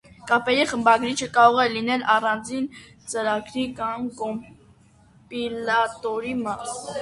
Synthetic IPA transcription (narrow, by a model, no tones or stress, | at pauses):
kɑpɛɾiχəmbɑɡɾit͡ʃʰəkɑɾɔʁɛlinɛlʔɑrɑnd͡zin | t͡səɾɑɡɾikɑmkɔm | pilɑt̪ɔɾimɑs